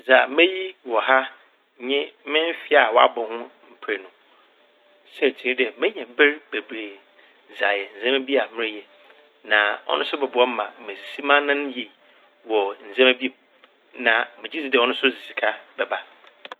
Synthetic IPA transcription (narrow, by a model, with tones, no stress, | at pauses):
za˨˦mẽ˦ji˦wɔ˨ha˦ | ɲɪ̃˦mɪ̃˦m˦fɪ˦a˨wɔ˦a̰˦bɔ̃˨hʊ̃˦m̩˨pʰɾe˨nʊ̃˨ | sɛ˦˨tʰi˨i˦dɪ˦ɛ˨mɪ̃˦ɲɛ̃˨bɪ˦ɾbe˨bɾeː˨ | za˨jɛ˨n̩˨zɛ̃˦m˦bi˦a˨mɪ̃˦ɪ˦jɛ˨ | nã˨ɔ̰˦nʊ̃˦sʊ˦bɛ˨bʊ˨˦ɔ˦m̩˦mã˨˦mẽ˨si˦mã˦nã˦n˦ji˨ | wɔ˨n̩˨zã˦mæ˦bi˦e˨ | nã˨mɪ̃˨d͡ʑi˦si˦dɔ˦nʊ̃˦sʊ˦zi˨si˨kʰa˦bɛ˨ba˦